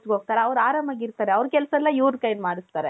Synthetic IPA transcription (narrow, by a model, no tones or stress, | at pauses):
t͡ʃɡoːɡ̚t̪aːɾeɐʋɾaːɾɐmɐɡiɾt̪aːɾeɐʋɾkɛlsɐlːɐjuːd̪kɐjnmaːɽist̪aːɾe